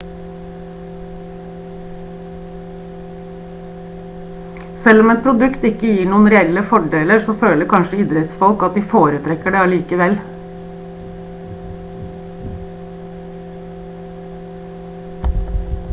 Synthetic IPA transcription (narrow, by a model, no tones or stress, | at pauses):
sɛlɔmɛt̪̚pʰɾʊd̪ʉkt̪ɪkəjiːɳuːənɾɛɛləfɔɖeːləɾsoːføːləɾkʰɑnʃəiːd̪ɾɛt̪sfɔlkɑt̪̚d̪iːfoːɾət̪ʰɾɛkːəɖeːɑliːkəʋɛl